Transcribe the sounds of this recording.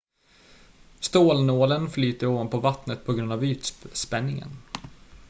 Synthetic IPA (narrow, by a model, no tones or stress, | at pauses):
st̪oːlnoːlənflyːt̪əɾoːvanpʰɔvat̪nət̪̚pʰɔɡɾɵnd̪avyːt̪spɛnːɪŋə̰n